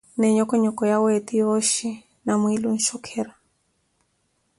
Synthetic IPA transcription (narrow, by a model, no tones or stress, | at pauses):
nɛɲɔkɔɲɔkɔjawɔetijɔʃi | namwilun̩ʃɔkʰɛːɾa